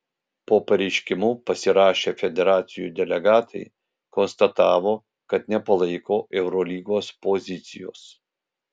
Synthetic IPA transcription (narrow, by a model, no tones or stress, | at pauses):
poːpɐɾʲɛɪʃʲkʲɪmupɐsʲɪɾɑːʃʲeːfʲɛd̪ʲɛɾɑːt̪sʲɪjṵːd̪ʲɛlʲɛɡɑːt̪ʰɐɪ | kɔnst̪ɐt̪ɑːʋoː | kɐt̪nʲɛpɐlˠɐɪkoːʔɛʊɾɔlʲiːɡoːspozʲɪt̪sʲɪjo̰ːs